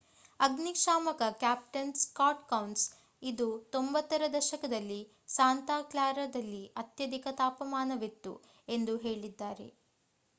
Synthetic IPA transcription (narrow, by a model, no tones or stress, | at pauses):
ɐɡnikʂaːmɐkɐkjaːp̚ʈɐnskaːʈkɐwns | id̪ut̪o̞mbɐt̪ːɐɾɐd̪ɐʃɐkɐd̪ɐlːi | saːnt̪aːklaːɾɐd̪ɐlːiʔɐt̪jɐd̪ikɐt̪aːpɐmaːnɐʋit̪ːṵ | e̞nd̪uɦe̞ːɭid̪ːaːɾe̞̰